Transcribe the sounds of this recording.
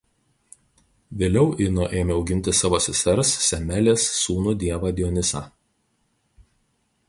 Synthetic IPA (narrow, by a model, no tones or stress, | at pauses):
ʋʲeːlʲɛʊʔɪnoʔeːmʲeɒʊɡʲɪnʲt̪ʲɪsɑːʋoːsʲɪsʲɛɾsːʲɛmʲæːlʲeːsːuːnuːd̪ʲiɛʋɑːd̪ʲɪɔnʲɪsɑ̰